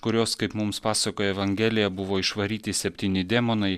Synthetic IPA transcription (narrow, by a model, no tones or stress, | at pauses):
kʊɾʲoːskɐɪpmʊmspɑːsɐkoːjɛʋɐŋʲɡʲeːlʲɪjɛbʊʋoːɪʃʋɐɾʲiːt̪ʲɪsʲɛpʲt̪ʲiːnʲɪd̪ʲɛːmonɐɪ